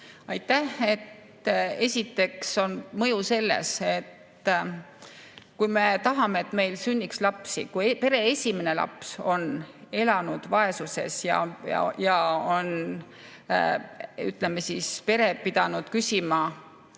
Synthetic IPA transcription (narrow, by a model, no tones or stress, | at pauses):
ɑjt̪ːˑæhe̞t̪ː | e̞sʲit̪ːˑe̞kso̞nmɤjuse̞lːḛse̞t̪ː | kujme̞t̪ɑɦɑme̞et̪ːme̞jlsynʲːikslɑpsḭkujpe̞ɾe̞esʲime̞ne̞lɑ̰pso̞ne̞lɑnud̪̥vɑe̞suse̞̰sjɑ̰ɑ̰jɑon | yt̪ˑlemːe̞sispe̞ɾe̞pid̪̥ɑnud̪̥kysʲimɑ